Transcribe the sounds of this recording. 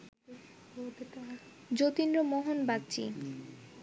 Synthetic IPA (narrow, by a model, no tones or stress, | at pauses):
d͡ʑot̪inɾomoɦonbak̚t͡ɕḭ